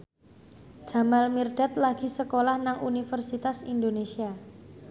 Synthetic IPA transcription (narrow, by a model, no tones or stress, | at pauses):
d͡ʒ̥a̤malmirɖ̥at̪̚laɡ̥i̤səkolahnaŋunifərsit̪asind̪onesia